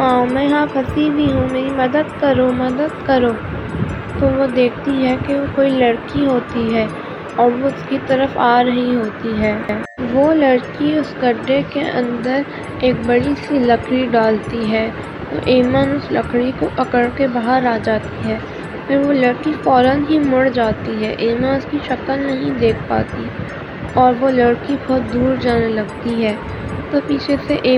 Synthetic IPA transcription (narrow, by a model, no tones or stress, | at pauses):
ɦãːmɛ̃ɦãːpʰɐsiːbʱiɦũmeːimɐd̪əd̪kɐɾõmɐd̪əd̪̚kɐɾoː | t̪oːʋod̪eːkʰt̪iɦɛkeʋokoːilɐɽkiɦoːt̪iɦɛː | ɔːɾʋoʊskit̪ɐɾəfaːɾɐɦiɦoːt̪iɦɛːɛːʋolɐɽkiʊsɡɐɖːekeʔɐ̰̃nd̪əɾ | eːk̚bɐɽisilɐkɾiɖaːlt̪iɦɛː | t̪o̰ʔeːmənʊslɐkɽikoʔɐkəɽkebaːɦəɾaːd͡ʒaːt̪iɦɛː | pɪɾʋolɐɽkifɔːɾənɦimʊɽd͡ʒaːt̪iɦɛːʔeːmãnʊskiʃɐkəlnɐɦĩd̪eːk̚ʰpa̰ːt̪i | ɔːɾʋolɐɽkibɔɦʊt̪̚d̪uːɾd͡ʒaːnelɐɡt̪iɦɛː | t̪opiːt͡ʃʰeseʔeː